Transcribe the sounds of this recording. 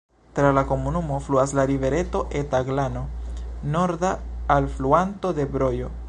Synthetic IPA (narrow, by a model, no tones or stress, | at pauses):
t̪ɾalako̞munumo̞fluaslaɾive̞ɾe̞to̞ʔet̪aɡlano̞no̞ɾd̪aalfluanto̞d̪ebɾo̞jo